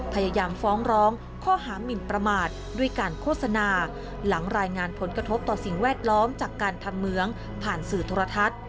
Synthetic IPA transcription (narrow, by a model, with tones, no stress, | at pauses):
pʰa˧jaː˧jaː˧mfɔː˦˥ŋɾɔː˦˥ŋ | kʰɔː˥˩ɦaː˩˦mi˨˩npɾa˧maː˨˩t̪̚ | du˥˩əjkaː˧nkʰoː˥˩t̪̚sa˧naː˧ | la˩˦ŋɾaː˧jŋaː˧npʰo˩˦nkɾa˧t̪ʰo˦˥p̚t̪ɔː˨˩si˨˩ŋwɛː˥˩t̪̚lɔː˦˥mt͡ɕaː˨˩kːaː˧nt̪ʰa˧mːɯ˧˥əŋ | pʰaː˨˩nsɯː˨˩t̪ʰoː˧ɾa˧t̪ʰa˦˥t̪̚